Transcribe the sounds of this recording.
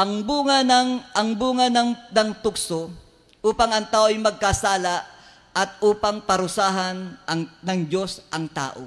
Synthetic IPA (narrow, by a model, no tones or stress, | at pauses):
ʔɐŋbuːŋɐnɐŋʔɐŋbuːŋɐnɐŋnɐŋt̪ʊkso | ʔuːpɐŋɐŋt̪aːʔojmɐɡ̚kasaːlaʔ | ʔɐt̪̚ʔuːpɐŋpɐɾʊsaːɦɐnʔɐŋnɐŋd͡ʒo̞sʔɐŋt̪a̰ːʔo